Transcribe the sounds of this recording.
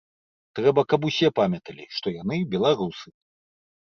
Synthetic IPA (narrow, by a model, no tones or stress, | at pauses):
t̪ɾɛbɐkɐp̬usʲɛpamʲɐt̪ɐlʲḭʂt̪ɔjanɨbʲɛlˠaɾusɨ